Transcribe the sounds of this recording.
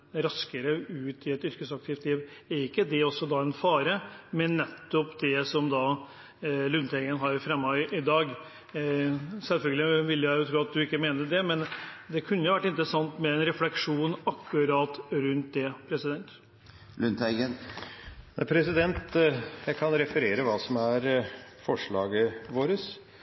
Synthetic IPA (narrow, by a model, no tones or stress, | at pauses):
ɾɑskəɾəʉːt̪ɪɛt̪ʏɾkəsɑk̚t̪ʰɪːft̪liːʋɛɾɪkːəd̪ɛɔsːɔd̪ɑːɛnfɑːɾəmɛnːɛt̪ːɔpd̪ɛsɔmd̪ɑː | lʉnt̪ɛɪɡənɦɑɾfɾɛmːɑʔɪd̪ɑːɡ | sɛlfœlɡəlɪʋɪlːjæɪjʊt̪ʰɾuːɑt̪̚d̪ʉɪkːəmeːnəɖɛmɛnd̪ɛkʰʉnːəjʊʋæʈːɪnt̪ɾəsɑŋt̪mɛɛnɾɛflɛkʂuːnɑkːʉɾɑːt̪ɾʉnt̪̚d̪ɛpʰɾɛsɪd̪ɛnt̪ | lʉnt̪æən | pʰɾɛsɪd̪ɛnt̪jæɪkʰɑnɾɛfəɾeːɾəʋɑːsɔmæɾfɔʂɭɑ̰ːɡəʋoːɾəs